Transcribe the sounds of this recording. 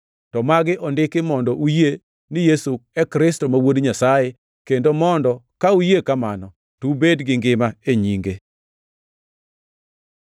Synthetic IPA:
tɔmaɡɪʔɔndɪkɪmɔndɔʔuje | nɪjesuɛkɾɪstɔmawodɲasaje | kendomɔndɔkaujekamanɔ | tubedɡɪŋɡɪmaeɲiŋɡe

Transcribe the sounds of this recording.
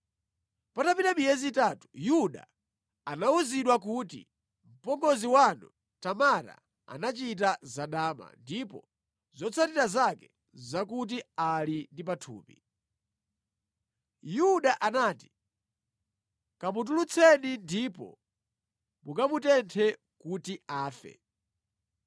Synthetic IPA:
patapinamijɛzitatu̥juɗa̰ | anauziɗwakutḭ | m̩pɔŋɡɔziwanu | tamaɾa̰ | a̰nat͡ʃit̬azaɗaːma̰ndipɔ | zɔt͡sʰatiɾazakɛ | zakut̬ialindip̬atʰṵːpḭ | juɗaʔanaːti̥ | kamut̬ulut͡sʰɛnindipɔ̰ | mukamutɛntʰɛ | kutiaːfɛ̰

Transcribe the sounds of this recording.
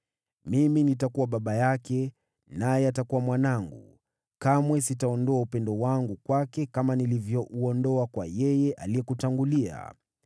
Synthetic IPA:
miminitakuwaɓaɓajakɛ | najɛatakuwamwanaŋɡu | kamwɛs̬itaɔndɔaupɛndɔwaŋɡukwakɛkamanilivjɔʔuɔndɔakwajɛjɛʔaliɛkutaŋɡulia̰

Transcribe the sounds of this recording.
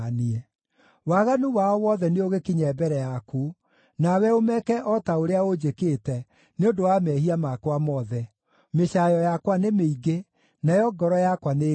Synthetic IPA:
niɛ | waɣanuwaɔwɔðɛneoɣekiɲɛːbɛɾɛjaku | nawɛomɛkɛʔɔtaoɾeaod͡ʑekeːtɛ | neodowamɛɦiamakwamɔðɛ | meɕajɔjakwanemeiɡe | najɔɡɔɾɔjakwane

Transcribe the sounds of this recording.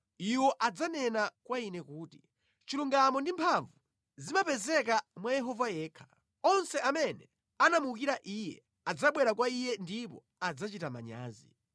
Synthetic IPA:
iwɔʔad͡zanɛnakwainɛkuːti | t͡ʃiluŋɡamɔndimpʰaɱvu | zimapɛzɛk̬amwajɛɦɔvajɛːkʰḁ | ɔnsɛamɛnɛ | anamuk̬iɾaʔiːjɛ̰ | ad͡zaɓwɛɾakwaijɛndipɔ̰ | ad͡zat͡ʃitama̰ɲa̰ːzḭ

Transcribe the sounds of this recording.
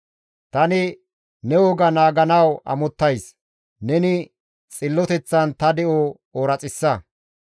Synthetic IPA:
t̪ɐnɪ | nɛwɔɡɐnaːɡɐnɐwʔɐ̰mɔt̪ːɐjs | nɛnɪ | t͡sʼɪlːɔt̪ɛt͡sːɐnt̪ɐd̪ɛʔoː | oɾɐt͡sʼɪsːɐ

